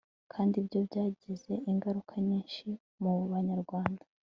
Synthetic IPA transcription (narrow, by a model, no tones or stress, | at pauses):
kʰaːndibjo̞bɟaːɟize̞ʔiŋɡaɾukʰaɲiːnʃi | muβaɲaɾɡwaːndḁ